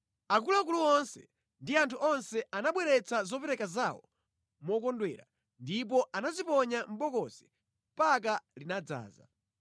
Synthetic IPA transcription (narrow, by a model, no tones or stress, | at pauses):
ak̬ulak̬uluɔnsɛ | ndiantʰuʔɔnsɛanaɓwɛɾɛt͡sazɔpɛɾɛkazawɔ̰ | mɔkɔndwɛːɾa̰ | ndip̬ɔʔanazipɔɲam̩ɓɔkɔzɛ | mpak̬alinad͡za̰ːza̰